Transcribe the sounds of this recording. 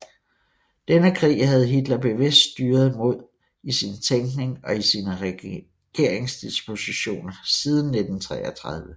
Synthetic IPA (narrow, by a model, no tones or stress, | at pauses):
d̥enəkʰʁḭːɦæð̞̩ˠɦid̥lɐb̥e̝ʋe̝sd̥sd̥yːɐð̞̩ˠmo̝ð̞̰ˠ | isint͡sʰeŋɡ̥ne̝ŋɒ̽isiːnəʁ | ɡ̥e̝ɐ̰eŋsd̥isb̥o̝siɕo̝̰ːnɐsiːð̞ˠn̩ːed̥n̩t͡sʰʁɛ̰ːɐt͡sʰʁɑð̞ˠʋə